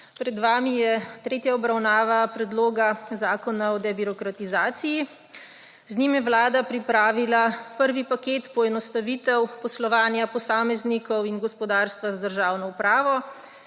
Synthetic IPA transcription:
pɾɛd̪ʋaːmijɛt̪ɾeːt̪jaɔbɾawnaːʋapɾɛd̪loːɡazaːkɔnaɔd̪ɛbiɾɔkɾat̪izaːt̪siji | znimjɛwlaːd̪apɾipɾaːʋilapəɾʋipakeːt̪pɔɛnɔst̪aʋiːt̪ɛwpɔslɔʋaːnjapɔsaːmɛznikɔwinɡɔspɔd̪aːɾst̪ʋazad̪əɾʒaːwnɔupɾaːʋɔ

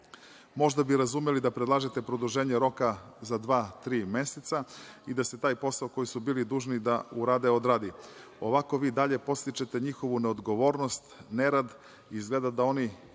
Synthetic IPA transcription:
mo̞ʒd̪abiɾazumjelid̪apɾe̞d̪lˠaːʒet̪e̞pɾod̪uʒe̞ːɲeɾo̞kazad̪ʋaːt̪ɾiːme̞set̪said̪ase̞t̪aːjpo̞saoko̞jisubiːlid̪uːʒnid̪auɾaːd̪eo̞d̪ɾad̪i | o̞ʋako̞ʋiːd̪aʎe̞po̞t̪st̪it͡ʃet̪e̞ɲixo̞ʋune̞o̞d̪ɡo̞ʋo̞ːɾno̞st̪neɾad̪ | izɡle̞d̪ad̪ao̞ni

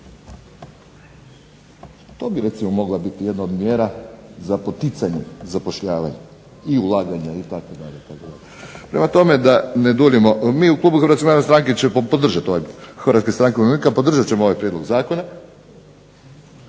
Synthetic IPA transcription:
t̪o̞ːbiɾe̞t̪simo̞mo̞ɡlabit̪ije̞d̪naod̪mjeːɾazapo̞t̪it̪saɲezapo̞ʃʎaːʋa̰ɲa | iulˠaːɡaɲait̪akod̪a̰ʎeit̪akod̪a̰ʎepɾe̞mat̪o̞med̪aned̪ulimo̞miːuklˠuːbuxɾat̪komnaɾnost̪ɾaŋket͡ɕepod̪r̩ʒat̪o̞ʋajxɾat̪kest̪ɾaŋkeoninikapo̞d̪r̩ʒat̪t͡ɕe̞mooʋajpɾjed̪loɡzaːko̞na

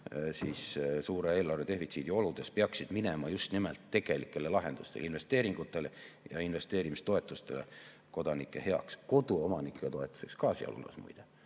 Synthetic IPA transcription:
siːssuːɾee̞ːlɑrve̞t̪e̞hfit̪siːd̪̥io̞lud̪̥e̞speɑksid̪̥minemɑjust̪nimḛlt̪ːe̞ɡ̥e̞likːˑe̞lelɑɦe̞nd̪̥ust̪e̞̰linve̞st̪e̞ːɾiŋɡ̥ut̪ːˑe̞lejɑ̰inve̞st̪e̞ːɾimist̪o̞e̞t̪ːˑust̪e̞̰lḛ | ko̞d̪̥ɑnikˑːe̞̰he̞ɑ̰ksko̞d̪uo̞mɑnikːˑet̪o̞e̞t̪ːˑu̥se̞kskɑːsjɑ̰lṵlɑ̰smṵjd̪̥e

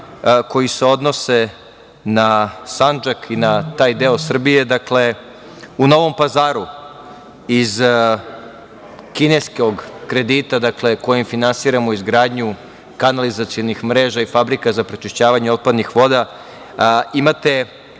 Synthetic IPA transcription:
ko̞jiseo̞d̪no̞se̞ | nasand͡ʒakʰinat̪aːjd̪eosr̩bije̞d̪akle̞ | uno̞ʋo̞mpazaːɾu | iz | kineskoɡkɾe̞d̪it̪ad̪akle̞ko̞jimfinansiːɾamoizɡɾaːd̪ɲu | kanalizat̪sio̞nixmɾe̞ːʒaifabɾikazapɾet͡ʃiʃt͡ɕaːʋaɲeo̞t̪̚pad̪nixʋo̞d̪a | imat̪e̞

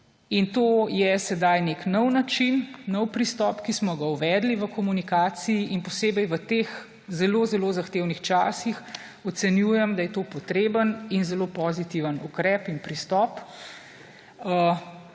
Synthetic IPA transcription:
int̪oːjɛsɛd̪ajneknɔwnat͡ʃinːɔwpɾist̪ɔːpkismɔɡauʋɛːd̪liʋəkɔmunikaːt̪siiʔinpɔseːbɛjʋət̪eːx | zɛlozɛloːzaxt̪eːwnixt͡ʃaːsix | ɔt̪sɛnjujɛmd̪ajɛt̪oːpɔt̪ɾeːbəninzɛloːpɔzit̪iʋənukɾɛːpinpɾist̪ɔp | ə

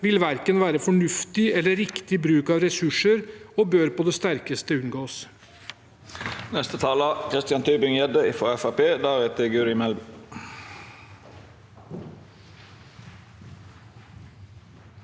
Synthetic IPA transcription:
ʋɪlʋæɾkənʋæːɾəfɔɳʉft̪ɪɛlːəɾɪkt̪ɪbɾʉːkɑːʋɾɛsʉʂəɾoːbøːɾpɔd̪ɛst̪æɾkəst̪əʉnɡoːs | nɛst̪ət̪ʰɑːlɑkʰɾɪst̪ɪɑnt̪ʰyːbɪŋjɛd̪əɪːfoːɛfɑpeːd̪ɑːʋeːt̪ɪɡʉːɾɪmɛlb

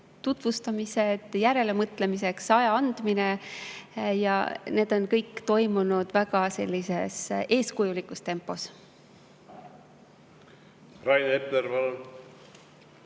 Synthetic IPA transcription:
t̪ut̪vust̪ɑmise̞d̪̥jæɾe̞le̞mɤt̪ˑle̞mise̞ksɑjɑɑnd̪̥mine | jɑ̰ne̞ːd̪̥o̞nkɤjkːt̪o̞jmunud̪̥væɡ̥ɑse̞̰lʲːise̞se̞ːskujulikːˑust̪e̞mpːˑo̞s | rɑjnepeɾvɑl

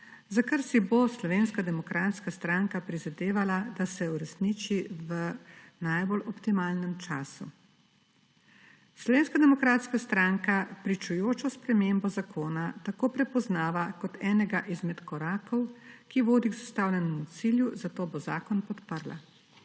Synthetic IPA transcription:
zakaɾsiboslɔʋeːnskad̪ɛmɔkɾaːt̪skast̪ɾaŋkapɾizad̪eːʋalad̪asɛuɾɛsniːt͡ʃiʋə | najbolɔpt̪imaːlnɛmt͡ʃa̰ːsu | slɔʋeːnskad̪ɛmɔkɾaːt̪skast̪ɾaŋkapɾit͡ʃujoːt͡ʃɔspɾɛmeːmbɔzakʰoːnat̪akoːpɾɛpɔznaːʋakɔt̪ʰɛːnɛɡaʔizmɛt̪kɔɾaːkɔwkiʋoːd̪iɡzast̪aːwlʲɛnɔmut̪siljuzat̪oːboza̰ːkɔnpɔt̪pəɾla̰

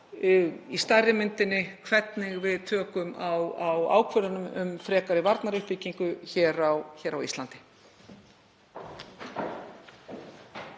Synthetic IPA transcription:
ist̪ajɾɪmɪnt̪ɪnːɪkʰvɛt̪nɪɣvɪðt̪ʰœːkʏmawawa̰ːwkʰvœɾðanʏmʏmfɾɛːkaɾɪvaɾt̪naɾʏhpiːciŋkʏçɛːɾawçɛːɾawist̪lant̪ɪ̥

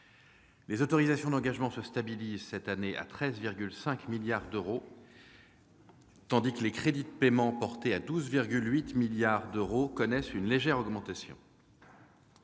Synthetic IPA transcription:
lezot̪ɔʁizasjɔ̃d̪ɑ̃ɡaʒmɑ̃səst̪abilizsɛt̪aneʔa̰t̪χɛzviʁɡʲylsɛ̃kmiljaʁd̪øʁo | t̪ɑ̃d̪ikəlekχed̪id̪əpemɑ̃pɔʁt̪ead̪uzviʁɡʲylɥit̪miljaʁd̪øʁokɔnɛsynleʒɛʁɔɡmɑ̃t̪asjɔ̰̃

